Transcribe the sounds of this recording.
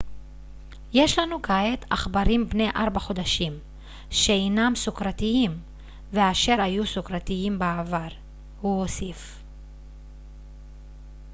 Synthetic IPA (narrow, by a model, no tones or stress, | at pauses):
je̞ʃlanukaet̪aχbaɾimbne̞jʔaɾbaχo̞d̪aʃim | ʃeejnamsukɾat̪iim | veaʃe̞ɾajusukɾat̪iimbaavaʁ | huosif